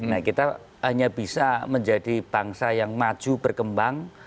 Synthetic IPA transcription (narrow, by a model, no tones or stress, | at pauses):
nakit̪a | ɦaɲab̥isaməɲd͡ʒadib̥aŋsajaŋmḁd͡ʒ̥ub̥ərkəmbaŋ